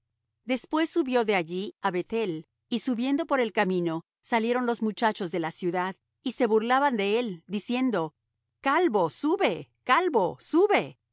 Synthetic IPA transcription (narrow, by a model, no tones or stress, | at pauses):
d̪e̞spwe̞sːuβjo̞ðe̞aʝiaβe̞t̪e̞l | isuβje̞nd̪o̞po̞ɾe̞lkamĩno̞ | saljeɾo̞nlo̞zmut͡ʃat͡ʃo̞zðe̞lasjuðað | ise̞βuɾlaβand̪e̞eld̪isje̞nd̪o̞ | kalβo̞suβekalβosuβe